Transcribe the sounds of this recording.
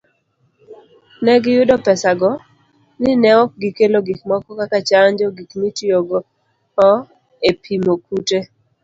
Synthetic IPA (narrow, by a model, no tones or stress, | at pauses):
nɛɡɪjʊdɔpɛsaɡɔ | nɪnɛwɔk̚ɡɪkeloɡikmɔkɔkakat͡ʃaɲd͡ʒɔɡikmitjoɡɔ | ɔ | epʰimokute